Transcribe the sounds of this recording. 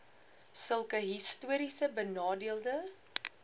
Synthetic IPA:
səlˠkəɦistuəɾisəbənɑːdiəlˠdə

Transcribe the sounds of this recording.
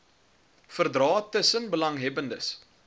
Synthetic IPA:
fərdrɑːtəsənbəlɐŋɦɛbəndəs

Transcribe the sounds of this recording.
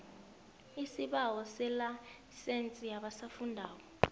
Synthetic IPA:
isiɓawɔsɛla | sent͡sʼijaɓasafundʱaːɓɔ

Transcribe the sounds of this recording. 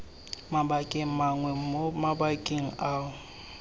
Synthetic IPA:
mabakʼɪmaŋwɛmomabakʼɪŋ̩aʊ

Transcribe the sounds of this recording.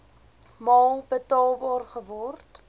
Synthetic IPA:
mɑːlˠbətɑːlˠbɑːrχəvɔrt

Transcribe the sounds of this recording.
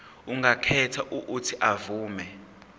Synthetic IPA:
uŋɡakʰɛtʰaʔuʔːtʰiʔavuːmɛ

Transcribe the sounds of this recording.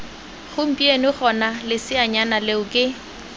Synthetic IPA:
χʊm̩pʼienɪχɔnalɪsɪaɲanaleʊkʼɪ

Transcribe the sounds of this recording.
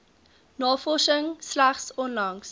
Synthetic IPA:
nɑːfɔʃəŋslæχsɔnlɐŋs

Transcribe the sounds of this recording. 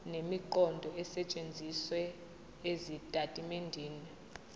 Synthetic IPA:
nemiǃɔndʱɔɛsɛt͡ʃʼend͡zʱiswɛ | ezitʼatʼimendʱiːnɛ

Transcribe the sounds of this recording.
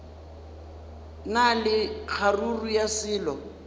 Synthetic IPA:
nalɪk͡xʰarurujasɪːlɔ

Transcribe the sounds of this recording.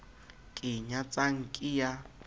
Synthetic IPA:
kʼɪɲat͡sʼaŋ̩kʼɪja

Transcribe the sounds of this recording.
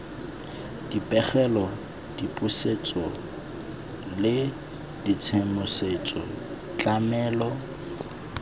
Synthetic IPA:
d̥ipʼɛχɛlɔ | d̥ipʼuset͡sʼɔ | lɪ | d̥it͡sʰemʊset͡sʼɔ̰ | t͡ɬʼamɛːlɔ

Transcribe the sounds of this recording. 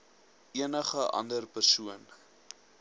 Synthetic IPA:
ʔiənəχəʔɐ̰ndərpərsuən

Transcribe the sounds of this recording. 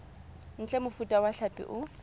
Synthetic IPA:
n̩t͡ɬʼɛmʊfutʼawaɬapʼɪ̰ʔʊ

